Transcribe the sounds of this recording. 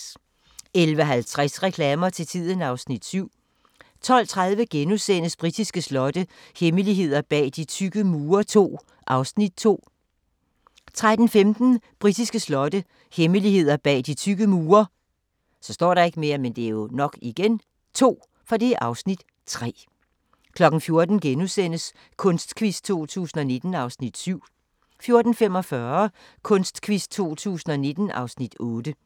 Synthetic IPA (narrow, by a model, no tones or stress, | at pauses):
elʋəɦælt͡sʰʁɛsʁɛkʰlɛːmɐt͡sʰe̝t͡sʰið̞̰ˠən̩ɑ̈ʊsnid̥syʊ̰ | t͡sʰɒ̽l̰t͡sʰʁaðˠʋəɡ̥enusen̰əsb̥ʁid̥isɡ̥əslɒ̽d̥əheməliɦe̝ð̰ˠɐb̥ɛ̰ːd̥it͡sʰyɡ̥əmuːɐt͡sʰo̝̰ː | ʔɑ̈ʊsnid̥̚t͡sʰo̝̰ː | t͡sʰʁad̥n̩femd̥n̩b̥ʁid̥isɡ̥əslɒ̽d̥ə | heməlihe̝ð̞̰ˠɐb̥ɛ̰ːd̥it͡sʰyɡ̥əmuːɐ | sɒ̽sd̥ɒ̰ːɾɑ̈e̝ɡ̥əme̝ːɐmend̥e̝æɐjo̝nɒ̽ɡ̥iɡ̥en | t͡sʰo̝̰ː | fɒd̥e̝ʔɑ̈ʊsnid̥ | t͡sʰʁɛ̰ː | kʰlɒ̽ɡ̥n̩fjo̝ɐd̥n̩ɡ̥enusen̰əs | kʰɔ̽nsd̥kʰʋisd̥̚t͡sʰo̝̰ːt͡sʰṵːsn̩ɒ̽ne̝d̥n̩ɑ̈ʊsnid̥syʊ̰ | fjo̝ɐd̥n̩fem̰ɒ̽fɶɐ | kʰɔ̽nsd̥kʰʋisd̥̚t͡sʰo̝̰ːt͡sʰṵːsn̩ɒ̽ne̝d̥n̩ʔɑ̈ʊsnid̥ɔːd̥ə